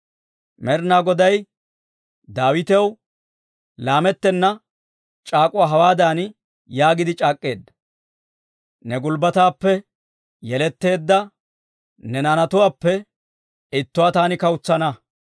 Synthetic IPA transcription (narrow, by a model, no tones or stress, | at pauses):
mɛɾnaːɡɔd̪ɐj | d̪aːwɪt̪ɛw | laːmɛt̪ːɛnːɐ | t͡ʃʼaːkʼʊwaːɦɐwaːd̪aːn | jaːɡɪd̪ɪt͡ʃʼaːkʼːe̞ːd̪ːɐ | nɛɡʊlbɐt̪aːpːɛ | jɛlɛt̪ːe̞ːd̪ːɐ | nɛnaːnɐt̪ʊwaːpːɛ | ɪt̪ːʊwaːt̪aːnɪkɐwʊt͡sːɐnɐ